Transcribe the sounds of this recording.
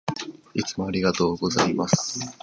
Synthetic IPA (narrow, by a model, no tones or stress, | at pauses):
it͡sɨmo̞aɾʲiɡat̪o̞ːɡo̞zaimasɨ̥